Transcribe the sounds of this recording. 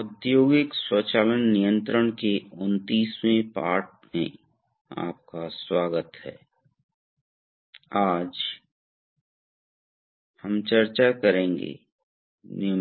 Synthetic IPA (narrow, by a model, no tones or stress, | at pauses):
ʊd̪joːɡɪkswət͡ʃaːlənːijə̃nt̪ɾəɳ̃keʊnt̪iːsmẽpa̰ːɾʈ̚ | mḛ̃ | a̰ːp̚kaswaːɡət̪hɛ̰ː | aːd͡ʒ | həmt͡ʃɐɾt͡ʃakəɾẽːŋɡḛ | nɪ